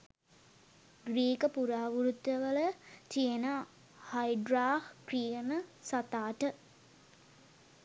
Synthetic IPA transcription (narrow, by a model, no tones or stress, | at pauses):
ɡɾiːkəpuɾaːʋuɾut̪jəʋələt̪ijenə | hajɖɾaːhkrijənəsat̪aːʈə